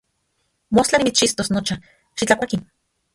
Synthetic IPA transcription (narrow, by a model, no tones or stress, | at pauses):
most͡ɬanimit͡st͡ʃist̪osnot͡ʃa | ʃit͡ɬakʷakin